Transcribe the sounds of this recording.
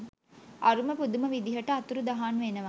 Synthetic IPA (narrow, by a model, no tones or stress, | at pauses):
ɐɾumɐpud̪umɐʋid̪iɦɐʈːɐɐt̪uɾud̪ɐɦaːnʋeːnɐʋaː